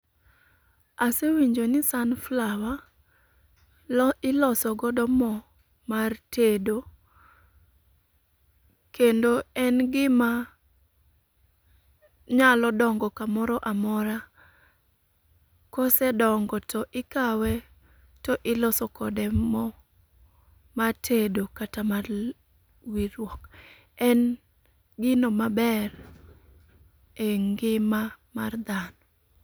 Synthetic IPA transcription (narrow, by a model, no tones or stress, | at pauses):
asewiɲd͡ʒonɪsanflawa | ɪlɔsɔɡɔdɔmɔ | martʰedo | kendoɛnɡɪma | ɲalɔdɔŋɡɔkamɔɾɔʔamɔɾa | kosɛdɔŋɡɔtɔʔɪkawɛ | tɔʔɪlɔsɔkɔdɛmɔ | matʰedokatamar | wiɾwɔk | ɛn | ɡɪnomabɛr | eŋɡɪmamard̪anɔ